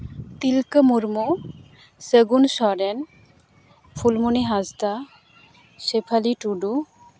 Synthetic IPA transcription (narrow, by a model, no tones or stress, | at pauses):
t̪ilkəmuɾmu | səɡunʃɔɾen | fʰulmuniɦazt̪a | ʃepʰaliʈuɖu